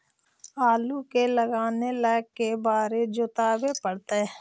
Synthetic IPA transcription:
aːluːkeːləɡaːneːlɛːkːeːbaːɾeːd͡ʒʊt̪aːbeːpəɽt̪eː

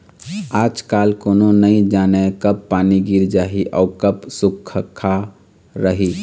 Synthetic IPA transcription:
aːd͡ʒkaːlkoːnonəĩd͡ʒaːnekəbpaːniɡiɾd͡ʒaːɦiʔɔːkəbsʊkʰəkʰa | ɾəɦi

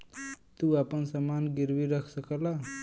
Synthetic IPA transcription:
t̪uapənsəmanɡiɾbiɾəkʰsəkəla

